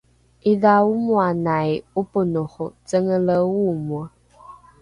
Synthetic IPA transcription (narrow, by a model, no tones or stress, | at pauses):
iðaumwanajupənoxʊt͡səŋələwumwə